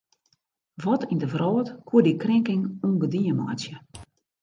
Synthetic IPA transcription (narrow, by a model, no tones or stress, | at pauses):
ʋɔtʰindəvrɔːtkʰuədikrɪŋkɪŋuŋɡədiəmɔ̰jt͡sjə